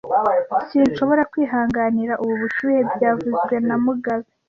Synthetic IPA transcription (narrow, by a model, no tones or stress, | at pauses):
siːnʃo̞βo̞ɾakwiːɦaːŋɡaniɾaʔuβuβuʃuːjebjaːvuzɡwe̞namuɡazi